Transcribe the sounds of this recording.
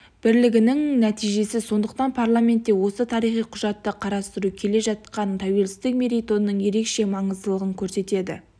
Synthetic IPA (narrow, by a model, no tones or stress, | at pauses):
b̥ɪɾlɪɡʲɪnɪŋnæt̪ijʒe̞sɪso̞nd̪əqt̪ɑnpʰarlˠamʲe̞nt̪ːe̞wo̞sət̪ʰɑɾijχijqʰʊʒɑt̪ːəqʰɑɾɑst̪əɾukʲʰe̞le̞ʒɑt̪̚qɑnt̪ʰɑwe̞lsɪzt̪ɪk̚mʲe̞ɾijt̪o̞nːəɴje̞ɾe̞kʃe̞mɑɴəzd̪əlˠəʁəŋkʲʰɵɾse̞t̪e̞d̪ɪ̰